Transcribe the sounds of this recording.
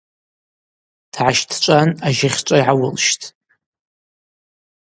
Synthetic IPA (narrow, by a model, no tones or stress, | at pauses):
d̥ʰʕaʃtʰt͡ʃʷʼanaʒɪχʲt͡ʃʷʼajʕawʊlʃtʰʼ